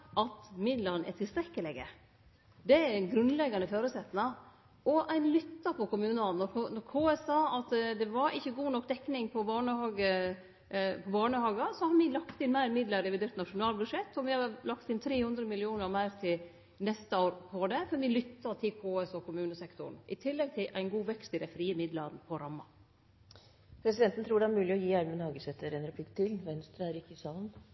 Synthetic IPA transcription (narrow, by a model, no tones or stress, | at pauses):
ʔɑt̪mɪd̪ləɾnʔɛ̰t̪ʰɪlst̪ɾɛkːəlɛɡə̰ | d̪ɛæɾnɡɾʉnlɛɡɑnəføːɾəsɛt̪ːnɑ | ʔɔʔæɪnlʏt̪ːɑpɔkʊmʉːnəɑnːɔɾnɔɾkʰoːɛsɑːɑt̪d̪ɛʋɑɾʔɪçːəɡuːnɔk̚ːd̪ɛkːnɪŋpʰɔbɑːɳəhɑːɡə | pʰɔbɑːɳəhɑːɡɑsɔhɑɾʋɪlɑkt̪ɪnmæɪɾmɪd̪ləɾɛʋɪd̪eːɾt̪nɑʂʊnɑːlbʉd̪ʂɛt̪ʰːɔʋɪhɑlɑkt̪ɪnt̪ʰɾeːhʉnd̪ɾəmɪlɪuːnəɾmæɪɾt̪ʰɪl | nɛst̪əoːɾpʰɔd̪ɛfɔɾʋɪlʏt̪ːɑt̪ʰɪkʰoːɛsɔkʰʊmʉːnəsɛkt̪ʊ̰ɳ̩ʔɪt̪ʰɪlːɛɡ̚t̪ʰɪlʔæɪnɡuːʋɛkst̪ɪd̪æɪfɾiːəmɪd̪lɑd̪nəpʰɔɾɑmːɑ̰ | pʰɾɛsɪd̪ɛnt̪n̩t̪ʰɾuːɖɛæɾmʉːlɪɔjiːæɾmənhɑːɡəsɛt̪ːəɾɛnɾɛpʰlɪkt̪ʰɪlʋɛnst̪ɾɑæɾɪkːɪsɑːlən